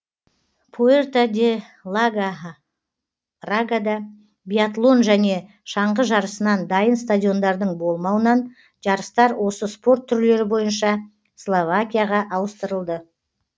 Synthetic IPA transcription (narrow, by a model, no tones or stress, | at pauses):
pʰoert̪ad̪ʲe | lˠaɡa | raɡad̪ɑ | bʲijat̪lˠo̞nʒæne̞ | ʃɑɴʁəʒɑɾəsənɑnd̪ɑjənst̪adʲijo̞nd̪ɑɾd̪əɴbo̞lˠmɑwənɑn | ʒ̥ɑɾəst̪ɑɾwʔo̞səspo̞rt̪ʰːʏɾle̞ɾɪbo̞jənʃɑ | slˠovakʲijaʁɑʔɑwəst̪əɾəlˠd̪ə